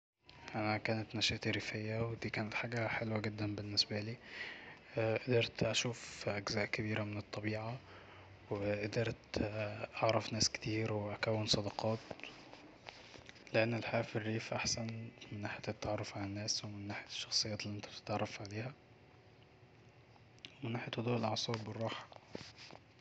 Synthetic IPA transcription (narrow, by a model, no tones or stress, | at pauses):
ʔænækæːnæt̪næʃæʔt̪iɾifejːæwed̪iːkæːnæt̪ħaːɡæħelwæɡed̪ːænbenːesbæliː | ʔed̪ɑɾˤt̪ʔæʃuːfʔæɡzæːʔkæβiːɾæmenet̪ˤːɑbiːʕa | weʔed̪ɑɾˤt̪ʔɑʕɾˤɑfnæːske̥t̪iːɾweʔækæwːensˤɑd̪ɑqɑːt̪ | leʔenːelħaæːfirːiːfʔaħsænmɪnːaːħjæet̪ːaʕɑrˤːɑfʕalænːæːswemɪnːaːħejæʃːɑxsˤejːæːt̪lːiʔent̪æb̥̚t̪e̥t̪ʕɑrˤːɑfʕaleːhæ | wemɪnːaːħejæt̪hod̪uːʔelʔɑʕsˤɑːbwerˤːɑːħɑ̥